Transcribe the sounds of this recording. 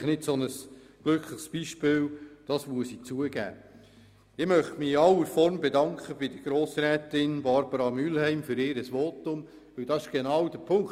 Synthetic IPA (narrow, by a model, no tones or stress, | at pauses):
χnɪtsɔnəs | ɡ̥lɵkʰləχsb̥iʃpɪːld̥ɑsmuəsit͡suəɡæ̰ː | ɪmœχtmɪɑwəɾfɔɾmbɛdɑŋkχəbɪd̥əɡ̥ɾoːsɾɛːtɪnbɑɾbəɾɑmylhɛɪmfʏɾɪːɾəsʋoːtʊm | ʋɵld̥ɑsɪʃɡ̥enɑwd̥əpʰʊŋk